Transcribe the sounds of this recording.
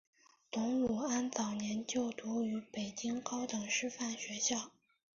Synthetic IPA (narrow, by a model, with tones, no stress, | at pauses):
t̪ʊ˧˥ŋu˨˩a˥nt͡sɑ˨˩ʊnjɛ˧˥nt͡ɕjo˥˩ʊt̪u˧˥y˧˥pe˨˩ɪt͡ɕi˥ŋkɑ˥ʊt̪ɤ˨˩ŋʂɻ̩˥˧fa˥˩nɕɥɛ˧˥ɕjɑ˥˩ʊ